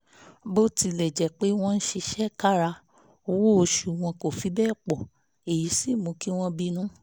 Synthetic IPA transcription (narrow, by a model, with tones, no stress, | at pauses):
bo˦ti˧lɛ˨d͡ʒɛ˨k͡pe˨˦w̃ɔ̃˦˧n̩˦ʃi˧ʃɛ˦ka˦ɾa˧ | o˧wo˦o˧ʃu˨w̃ɔ̃˧ko˨fi˨˦bɛː˦˨k͡pɔ˨ | e˨ji˨˦si˦˨mũ˨˧˦ki˦w̃ɔ̃˧bi˦nũ˦